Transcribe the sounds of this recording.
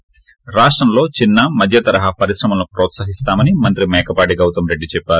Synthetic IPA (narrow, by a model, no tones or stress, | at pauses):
ɾaːʂʈɾɐmlo̞ːt͡ʃinːɐmɐd̪ʱjɐt̪ɐɾɐɦɐpɐɾisɾɐmɐmnupɾɔːt̪saɦist̪aːmɐnimɐnt̪ɾimɛːkɐpaːʈiɡɐwt̪ɐmɾe̞ɖːit͡ʃɛpːaːɾu